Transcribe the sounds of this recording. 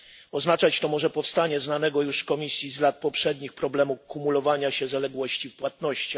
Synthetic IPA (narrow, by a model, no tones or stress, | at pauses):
ɔznat͡ʂat͡ɕt̪ɔmɔʐɛpɔfst̪aɲɛznanɛɡɔjuʂkɔmʲisʲjizlat̪̚pɔpʂɛd̪ɲixpɾɔblɛmukumulɔvaɲaɕɛzalɛɡwɔɕt͡ɕifpwat̪̚nɔɕt͡ɕa